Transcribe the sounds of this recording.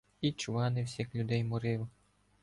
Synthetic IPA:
it͡ʃʊʋɑnɪwsʲixlʲʊd̪ɛjmʊɾɪw

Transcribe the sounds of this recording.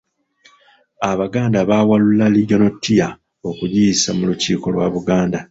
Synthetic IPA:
aβaɡaːndaβaːwalulalio̞notːija | o̞kujisamuluciːko̞lwaβuɡaːnda

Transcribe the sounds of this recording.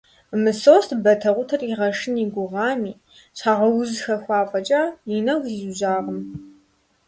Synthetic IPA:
mɨsoːstbɐtʰɐʁʷʊtʰɐriʁɐʂɪniɡʷʊʁɑːmiː | ɕħaːʁɐwʊzxɐxʷɑːfʼɐt͡ʃʼaːjinɐxʷzizʊʒaːʁəm

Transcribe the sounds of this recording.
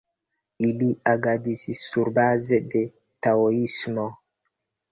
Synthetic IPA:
iliaɡadisiːuɾbazede | taoismo

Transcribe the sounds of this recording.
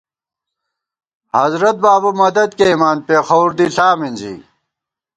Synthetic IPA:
hɐzɾɐt̪̚baːbumɐd̪ɐd̪̚kemaːnpeːxɐwuɾd̪iɬaːmind͡ʑḭ

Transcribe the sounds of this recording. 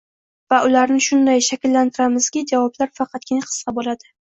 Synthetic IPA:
vaʔʊlaɾnɪʃʊnd̪ajʃakʲlːant̪ʰɪɾamɪz̥kʲɪd͡ʒavɒblaɾfɑqʰɑt̪̚kʲʰɪnaqʰɨ̥sqɑbolad̪ɪ

